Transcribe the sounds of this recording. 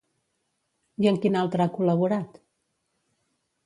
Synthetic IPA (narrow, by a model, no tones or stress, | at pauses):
jəŋkinalˠt̪ɾəakuləβ̞uɾat̪